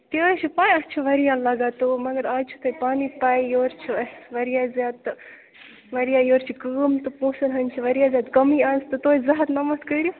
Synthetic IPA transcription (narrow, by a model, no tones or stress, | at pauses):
t̪eɾt͡ʃʰipaːnɐt͡ʃʰiʋɐɾijalɐɡaːt̪umɐɡɐɾaːt͡ʃʰu̥t̪ʰopaːnipaːijoːɾt͡ʃʰiʋɐɾijaːzjaːd̪ɨ | ʋɐɾijaːjoːɾt͡ʃʰikəːmt̪ɨpõːsɐnɦɐnʲt͡ʃʰiʋɐɾijazʲjaːd̪kɐmianzt̪ɨt̪oːzɐɦɐt̪nɐmɐt̪kəɾju